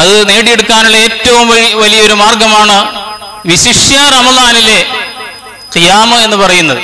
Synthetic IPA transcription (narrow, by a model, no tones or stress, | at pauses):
ɐðɨne̞ːɽije̞ɽukːaːnuɭːɐe̞ːtːɐʋumʋɐɻiʋɐlijɐo̞ɾumaːrɡɐmaːɳɨ | ʋiɕiʂjarɐmɐlaːnile̞ | qijaːmɐe̞nːɨpɐrɐjunːɐðɨ